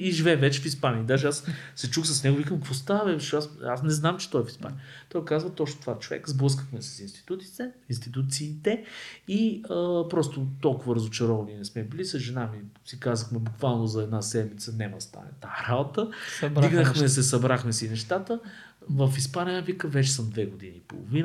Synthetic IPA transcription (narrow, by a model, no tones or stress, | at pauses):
iʒivɛvɛt͡ʃɛfispanʲiəd̪aʒɛassɛt͡ʃuxsɐsnɛɡovikəmpost̪avɛvʃasa̰snɛznamt͡ʃɛ̥t̪ɔɛfi̥spa̰niəət̪ɔjkazvət̪ɔt͡ʃnot̪ovat͡ʃovɛ̰kzblˠɤs̬kə̥xmɛsɐ̥sinst̪i̥t̪ut̪i̥t̪ɛinst̪it̪ut̪siːt̪ɛiəpɾɔst̪ot̪ɔlˠkʊvəɾəzot͡ʃɛɾɔvɐninɛsmɛbilisəzʒɛnamisikazəxmɛbukvalˠnozɐɛd̪nasɛd̪mit̪sənɛməst̪a̰nɛ̰t̪ːaɾabot̪əd̪iɡnəxmɛs̬ɛsɐbɾaxmɛsɛinɛʃt̪at̪ə | vəfispaniəvikəvɛt͡ʃɛ̥səmd̪vɛɡʊd̪inḭːpo̰lˠo̰vinə